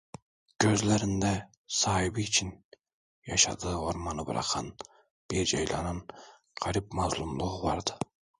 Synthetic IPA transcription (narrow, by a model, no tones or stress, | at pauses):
kʲʰøzlæɾɪnd̪æ | sɑhibiːt͡ʃʰin | jɑʃɑ̰d̪ɯoɾmɑnɯb̰ɾɑ̰qʰɑn | b̥iɾd͡ʒɑjlˠɑ̰nɯn | qʰɑɾip̚mazlˠumlˠuʁvɑɾd̪ɨ̥